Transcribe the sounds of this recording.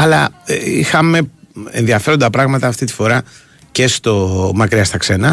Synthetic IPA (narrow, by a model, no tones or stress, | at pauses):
ɐlɐeḭxɐme̞ḛnðiɐfe̞ɾod̪ɐpɾɐɣmɐt̪ɐːft̪it̪i̥fo̞ɾɐ | ce̞st̪o̞mɐkɾiɐst̪ɐkse̞nɐ